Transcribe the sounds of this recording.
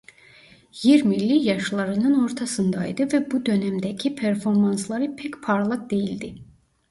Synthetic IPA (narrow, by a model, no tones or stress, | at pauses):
jiɾmilːijɑʃlˠɑɾɯnɯno̞ɾt̪ʰɑsɯnd̪ɑj̰d̪ɯvæbud̪ø̞næmd̪æcʰipʰeɾfo̞ɾmɑnslˠɑɾɯpʰecpʰɑɾlˠɯq̚d̪e̞jild̪i